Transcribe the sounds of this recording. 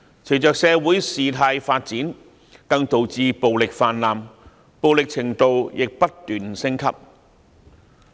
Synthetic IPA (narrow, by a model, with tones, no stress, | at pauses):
t͡sʰe˨˩jt͡ʃœː˨k̚sɛː˧wuː˨˥jsiː˨t̪ʰaː˧jfaː˧t̚t͡siː˨˥n | kɐ˧ŋt̪o˨wt͡siː˧po˨wlɪ˨k̚faː˧nlaː˨m | po˨wlɪ˨k̚t͡sʰɪ˨˩ŋt̪o˨wjɪ˨k̚pɐ˥t̚t̪yː˨˩nsɪ˥ŋkʰɐ̰˥p̚